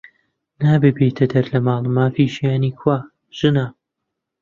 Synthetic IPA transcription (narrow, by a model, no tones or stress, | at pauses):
naːbɨbeːt̪ʰɐd̪ɐɾlɐmaːlˠɨmaːfiːʒijaːniːkwaː | ʒ̥ɨna